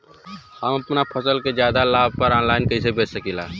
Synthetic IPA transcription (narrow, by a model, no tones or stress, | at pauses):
həmɐpnapʰəsəlked͡ʒjaːd̪alaːb̚pɐɾɔːnlaːɪnkəɪsebeːt͡ʃsəkila̰ː